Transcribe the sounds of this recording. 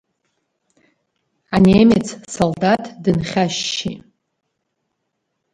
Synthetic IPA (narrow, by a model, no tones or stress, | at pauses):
anemet͡sʰsoldatʰdɨnχʲaʃːḭ